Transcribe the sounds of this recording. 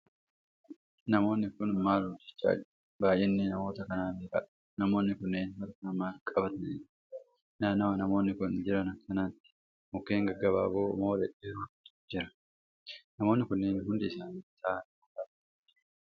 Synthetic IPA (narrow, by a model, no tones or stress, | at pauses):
nɐmo̞ːnːɪkʊnmaːlhʊd̪ɪt͡ʃːa̰ːd͡ʒɪ | baːjʔɛnːɪnɐmo̞ːt̪ɐkɐnaːnekɐ̰ᶑ̥ | nɐmoːnːɪkʊnːeːnwɐɾkɐɐmaːkʼɐbɐt̪ɐnɪᶑ | naːnɐwɐnɐmo̞ːnːɪkʊnd͡ʒɪɾɐnɐkːɐnaːt̪ːɪ̥ | mʊkːe̞ːŋɡɐɡːɐba̰ːboːʊ̰moːlɛʔeːɾuːt̪ɪ̥d͡ʒɪɾɐ̥ | nɐmoːnːɪkʊnːeːnɦʊnd̪ɪːsaːnit̪aːnmʊkaɐ